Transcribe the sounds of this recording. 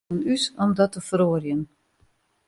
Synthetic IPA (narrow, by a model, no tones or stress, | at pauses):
ənysɔmdɔtəfəɾoːrjən